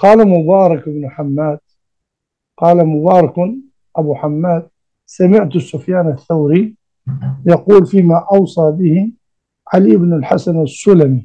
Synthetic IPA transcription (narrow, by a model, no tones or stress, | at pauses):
qɑːlamʊbɑːɾˤɑkɪbnħamːaːd̪̥̚ | qɑːlamʊbɑːɾˤɑk | ʔabuħamːaːd̪̥̚ | samɪʕt̪ʊsːʊfjaːnaθːawɾi | jɑquːlfiːmaʔɑwsˤɑːbɪhi | ʕalibnalħasanasːʊlami